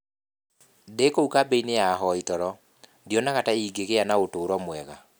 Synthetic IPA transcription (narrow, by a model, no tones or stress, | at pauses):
dekoukabeinejaɦɔitɔɾɔ | djɔnaɣataiɡeɣeanaotoːɾɔmwɛɣa